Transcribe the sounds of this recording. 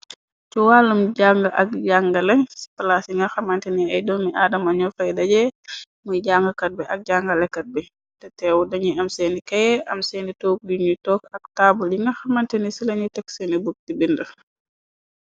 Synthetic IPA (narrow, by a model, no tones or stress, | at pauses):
cuwaːlumɟaŋɡɐʔɐk̚ɟaŋɡɐlɛsi̥pɐlasiŋɡɐxɐmantɛniɐjdɔmiʔaːdɐmɐɲɔfɐjdɐɟɛ | muɟaŋɡɐkɐt̚bɛʔɐk̚ɟaːŋɡɐlɛkɐt̚bɛ | tɛtɛwudɐɲiɐmsɛnikɐjɛʔɐ̰msɛnitoːk̚duɲutɔːkɐk̚taːbuliŋɡɐxɐmantɛnisilɐɲitɛksɛnibuk̚tibindəl